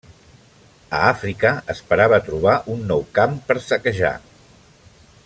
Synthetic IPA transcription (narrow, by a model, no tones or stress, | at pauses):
ə̰afɾikəəspəɾaβət̪ɾuβ̞aʔunːɔwkampəɾsəkəʒa̰